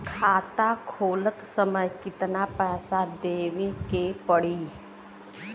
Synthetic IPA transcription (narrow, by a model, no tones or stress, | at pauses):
kʰaːt̪akʰoːlət̪səməjkɪt̪napɛːsad̪eːʋikepəɽiː